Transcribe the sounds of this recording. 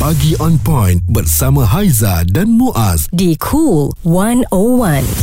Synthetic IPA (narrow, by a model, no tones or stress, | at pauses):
paɡiʔɔ̃npɔ̃j̃nbət̚samãɦajzadãnmuʔasdikʰulwãnowãn